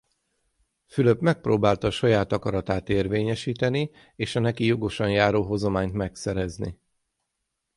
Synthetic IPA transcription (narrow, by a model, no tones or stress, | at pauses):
fyløpmɛk̚proːbaːlt̪ɒːʃɒjaːt̪ɒkɒɾɒt̪aːt̪eːrveːɲɛʃiːt̪ɛni | eːʃɒnɛkijo̞ɡo̞ʃɒnjaːɾoːɦo̞zomaːɲt̪mɛksɛɾɛznḭ